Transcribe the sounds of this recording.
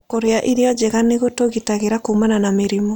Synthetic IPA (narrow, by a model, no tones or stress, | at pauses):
koɾeaʔiɾeɔd͡ʒeɣaneɣotoɣitaɣeɾakoumananameɾimɔ